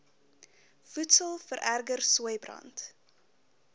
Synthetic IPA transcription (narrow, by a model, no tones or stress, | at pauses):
futsəlˠfəɾʔærɡərsuəjbrɐ̰nt